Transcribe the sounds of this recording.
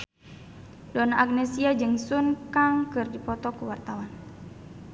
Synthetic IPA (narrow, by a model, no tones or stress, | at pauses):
dɔnaʔːɡ̚nɛsiad͡ʒɨŋsunkaŋkɨrdipɔt̪ɔkuwart̪awan